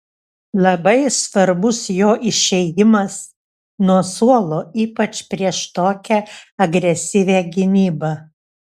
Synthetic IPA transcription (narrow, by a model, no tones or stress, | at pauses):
lˠɐbɐɪsʋɐɾbʊsjoːʔɪʃʲɛɪjɪmɐs | nuɔsuɔlˠoːiːpɐt͡ʃpʲɾʲiɛʃt̪oːkʲɛɐɡɾʲɛsʲɪʋʲæːɡʲɪnʲiːbɐ